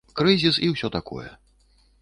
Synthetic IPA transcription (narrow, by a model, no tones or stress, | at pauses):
kɾɨzʲisiwsʲɔt̪akɔ̰jɛ̰